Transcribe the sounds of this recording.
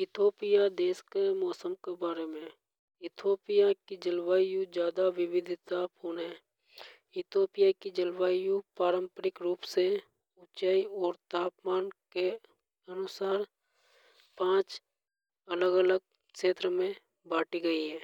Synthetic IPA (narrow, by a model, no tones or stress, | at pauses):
ɪt̪ʰoːpɪjad̪eːskemɔːsəmkebaːɾemẽ | ɪt̪ʰoːpɪjakid͡ʒəlwaːjũd͡ʒjaːd̪aʋɪʋɪd̪ʱt̪apɦoːnɦɛː | ɪt̪ʰoːpɪjakid͡ʒəlwaːjũpaːɾəmpəɾɪkɾuːpse | ʊt͡ʃaːiɔːɾt̪aːpmaːnke | ənʊsaːɾ | pãːt͡ʃ | ələɡələɡ̚ | kʃeːt̪ɾəmẽ | baːʈiɡəiɦɛ̃ː